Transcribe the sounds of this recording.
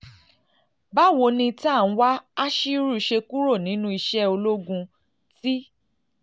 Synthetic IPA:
ba˦˨wo˧nĩ˧ti˦a˦˨ñ̩˨˦wa˦a˦ʃi˦ɾu˦˨˧ʃe˧ku˦ɾo˦˨nĩ˨˦nũ˧˦i˧ʃɛ˦o˧lo˦ɡũ˧ | ti˦

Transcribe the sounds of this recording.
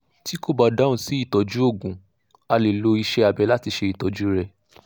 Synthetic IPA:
ti˦ko˦˨ba˦da˦ũ˨si˦i˦˨tɔ˨˦d͡ʒu˦o˦˨ɡũ˨ | a˧le˨lo˧i˧ʃɛ˦a˨bɛ˨˧˦la˦ti˧ʃe˧i˨tɔ˨˦d͡ʒu˦ɾɛ˦

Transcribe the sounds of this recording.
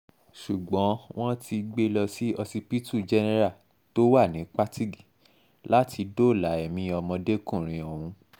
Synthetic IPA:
ʃu˨ɡ͡bɔ̃˨˦w̃ɔ̃˦ti˧ɡ͡be˦lɔ˧si˦ɔ˧si˧pi˦tu˦˨d͡ʒɛ˦nɛ˦˧˦ɾa˦˨ | to˦wa˦˨nĩ˨˦k͡pa˦ti˦ɡi˦˨ | la˦tʰi˧do˦˨la˨˦ɛ˨mĩ˧ɔ˧mɔ̃˧de˦kũ˦˨ɾ̃ĩ˨˧ɔ˨wũ˧˦

